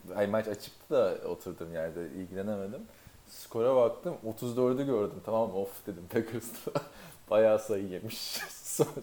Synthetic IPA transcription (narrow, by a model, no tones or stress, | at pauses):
æmat͡ʃat͡ʃʰɯ̥k̚t̪ʰad̪ao̰t̪ʰuɾd̪ɯmjaːnid̪ɛḭlʲɟilʲe̞nemed̪im | skʰo̞ɾabak̚t̪ʰɯmo̞t̪ʰuzd̪øɾd̪ɛɟøɾd̪ymt̪ʰamamːaofd̪e̞d̪imt̪ʰakʰɯst̪ʰb̥ajaːsajɯjemiʃson